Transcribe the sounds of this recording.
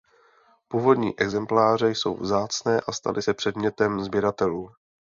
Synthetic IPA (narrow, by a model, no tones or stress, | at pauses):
puːvo̞dɲḭːʔɛɡzɛmplaːr̝ɛjso̞̰wvzaːt͡snɛːʔast̪a̰lʔɪsɛpr̝̥ɛdmɲɛt̪ɛmzbjɛɾat̪ɛluː